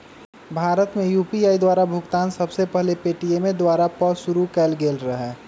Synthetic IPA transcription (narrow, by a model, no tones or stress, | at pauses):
bʱaːɾət̪mẽjuːpiaːid̪waːɾabʱʊɡt̪aːnsəbsepɛɦlepeːʈijemẽd̪waːɾapəsʊɾukɛːlɡeːlɾəɦɛː